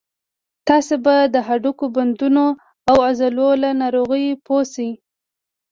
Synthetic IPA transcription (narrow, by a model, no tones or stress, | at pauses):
t̪ɑsebad̪əɦaɖukoband̪uno | awazalolanɑɾoɣəjpʰosi